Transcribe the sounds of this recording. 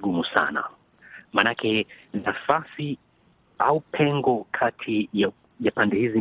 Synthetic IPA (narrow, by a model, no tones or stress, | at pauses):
ɡumusa̰na̰ | manakʰɛnafasi | aupʰɛŋɡɔkʰatʰija | japandɛhizi